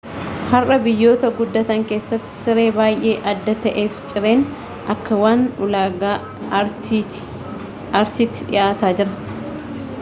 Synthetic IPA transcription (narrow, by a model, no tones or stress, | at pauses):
hɐrʔɐbɪjːo̞ːt̪ɐɡʊd̪ːɐt̪ɐŋke̞ːsːɐt̪ːɪ̥sɪɾe̞ːbaːjʔe̞ːʔɐd̪ːɐt̪ɐʔe̞ːft͡ʃʼɪɾe̞ːn | ʔɐkːɐwaːnʊlaːɡaː | ɐɾtɪt̪ːɪᶑɪ̰ʔaːt̪aːd͡ʒɪɾɐ